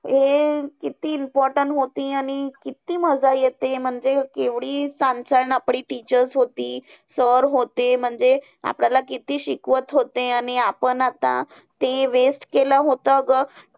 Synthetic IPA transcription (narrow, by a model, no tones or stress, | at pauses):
ɦekit̪iːmpɔɾʈəɳʈɦot̪iañikit̪iːməd͡zajet̪em̤əɳd͡zekeʋɽiːsãɲsaɾənapɽ̃iːʈit͡ɕəɾsɦot̪iː | səɾɦot̪em̤əɳd͡ze | a̰pɳjalakit̪iːɕikʋət̪ɦot̪eaniapənat̪ã̰ | t̪eʋesʈkeləɦot̪ək